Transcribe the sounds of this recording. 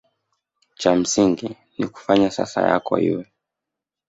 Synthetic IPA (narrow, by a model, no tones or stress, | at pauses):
t͡ʃam̩siŋɡi | niku̥faɲasasaja̰kɔḭwɛ